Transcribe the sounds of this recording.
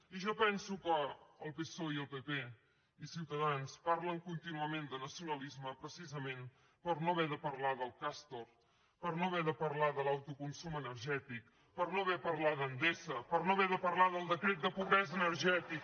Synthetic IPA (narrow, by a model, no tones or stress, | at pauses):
iʒɔpɛnsukəːlˠpesoiəlˠpepe | isiwt̪əðanspaɾləŋkunt̪inuəmend̪ənəsiunəlizməpɾəsizəmen | pəɾnoβɛðəpəɾlaðəlˠkast̪or | pərnoβɛðəpəɾlaðəlawt̪ukunsumənəɾʒɛt̪ik | pəɾnoβɛpəɾlaðənd̪esəpəɾnoβɛðəpəɾlaðəlˠd̪əkɾet̪̚d̪əpuβɾɛzənəɾʒɛt̪ik̚